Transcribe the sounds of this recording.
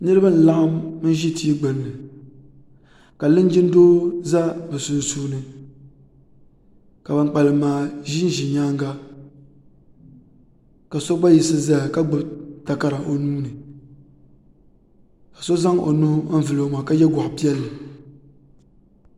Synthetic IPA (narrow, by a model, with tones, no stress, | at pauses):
nɨ˦ɾɨ˦ba˦n̩˨la˦ʔmmɨ˦n˦ʒi˦ti˦ɡ͡bɨ˨nːɨ˨ | ka˨lɨ˦n˦d͡ʒi˦n˦doː˦za˦bɨ˨su˨n˨suː˦nɨ˨ | ka˨ba˨ŋ͡mk͡pa˨lɨ˨maː˨ʒi˦n˦ʒi˨ɲaː˦ŋ˦ɡa˦ | ka˨so˦ɡ͡ba˦ji˨sɨ˦za˦˨ka˦ɡ͡bʊ˦bta˨ka˦ɾa˨ʔo˨nuː˦nɨ˨ | ka˨so˦za˦ŋo̰˨nʊ˦hʊ˦vɨ˨lo˦o˦maː˨ka˦jɛ˦ɡʷʊ˨ʔpi˦ɛ˦lːɨ˨